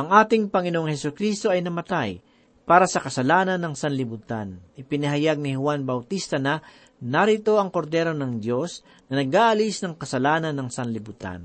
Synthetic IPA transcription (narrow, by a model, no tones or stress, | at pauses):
ʔɐŋʔaːt̪ɪŋpɐŋɪnoʔoŋhɛsʊkɾist̪o̞ɐjnɐmɐt̪aj | paːɾɐsɐkɐsɐlaːnɐnːɐŋsɐnlɪbut̪a̰nʔɪpɪnɐɦɐjaɡ̚nɪhʊwanbɐwt̪ist̪ɐnɐ | naɾɪt̪o̞ʔɐŋkoɾd̪ɛːɾo̞nɐŋd̪jo̞s | nɐnɐɡaːʔɐlisnɐŋkɐsɐlaːnɐnːɐŋsɐnlɪbut̪a̰n